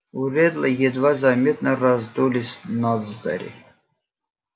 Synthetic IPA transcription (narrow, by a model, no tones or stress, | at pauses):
uɾʲɛd̪lˠəjɛd̪vazamʲet̪nərazd̪ulʲisʲnazd̪a̰ɾʲḭ